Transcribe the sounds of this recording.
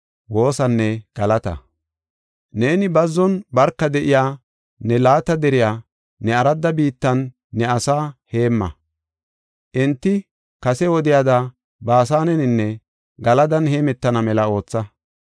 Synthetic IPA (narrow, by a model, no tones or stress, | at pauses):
wo̞ːsɐnːɛɡ̥ɐlɐt̪ɐ̰ | ne̞ːnɪbɐzːɔnbɐɾkːɐd̪ɛʔɪjaː | nɛlaːt̪ɐd̪ɛɾɪjaː | nɛɐɾɐd̪ːɐbiːt̪ːɐnː | ɛɐsaːhe̞ːmːɐ̰ | ʔɪnt̪ːɪ | kɐsɛwɔd̪ɪjad̪ɐ | baːs̬aːnɛnɪnːɛ | ɡɐlɐd̪ɐnheːmɛt̪ːɐnɐmɛlɐo̞ːt͡sːɐ